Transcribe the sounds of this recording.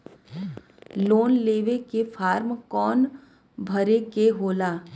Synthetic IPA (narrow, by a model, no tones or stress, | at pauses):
loːnleːʋekefʰaːɾmkɔːn | bʱəɾekeɦoːlaː